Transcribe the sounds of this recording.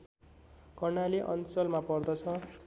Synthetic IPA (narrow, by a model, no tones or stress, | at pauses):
kʌrnaliʔʌnt͡sʌlmapʌrd̪ʌt͡sʰʌ